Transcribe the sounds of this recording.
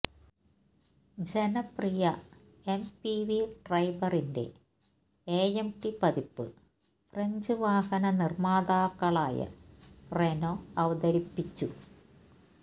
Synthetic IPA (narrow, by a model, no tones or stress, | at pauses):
d͡ʑenɐprijɐ | e̞mpiʋiɖrɐjbɐrinde̞̰ | eːjemʈipɐðipːɨ̰ | freɲd͡ʑɨʋaːhɐnɐnirmaːd̪aːkːɐɭaːjɐ̰renoɐʋɐd̪ɐɾipːit͡ɕːu